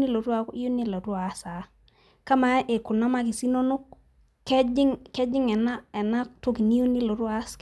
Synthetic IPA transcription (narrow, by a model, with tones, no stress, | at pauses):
ni˦lo˨tu˦a˨ki˦jo˦ni˦lo˨tu˦a˨˦sa˨ | ka˦ma˨˦ʔe˨ku˨na˦ma˦ki˨si˦no˦nu˦k̚ | ke˦d͡ʒɪ˦ŋke˦d͡ʒɪ˦ŋɛ˨na˦ɛ˨na˦k̚to˦ki˨ni˦jo˦ni˦lo˨tu˦a˦sk